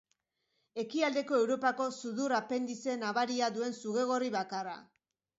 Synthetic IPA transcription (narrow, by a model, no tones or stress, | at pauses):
e̞kiald̪e̞ko̞e̞wɾo̞pako̞suðurape̞nd̪ise̞naβaɾiaðue̞nsuɣe̞ɣ̞o̞riβakara̰